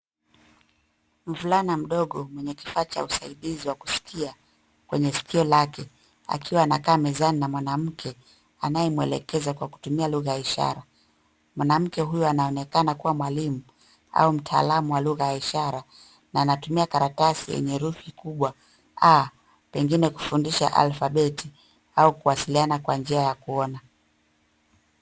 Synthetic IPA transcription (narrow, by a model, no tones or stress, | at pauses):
m̩vulanam̩ɗɔɠɔmwɛɲɛkifaːt͡ʃa̰usaiɗiziwaku̥si̥kʰia | kwɛɲɛsi̥kʰiɔlakɛ | a̰kʰiwaːnakaːmɛzaninamwanam̩kʰɛ | a̰najɛmuɛ̰lɛ̰kɛzakwaku̥tumialuɣajaiʃa̰ɾa | mwanam̩kɛɦujɔanaɔnɛkanakuwamwalimu | a̰um̩tʰa̰lamuwaluɣajaiʃaɾa | naːnatumiakaɾatasijɛ̰ɲɛɾufikuɓwa | a | pɛŋɡinɛku̥fundiʃa̰ʔa̰lfaɓɛti | aukuwasilianakwand͡ʒiajakuɔna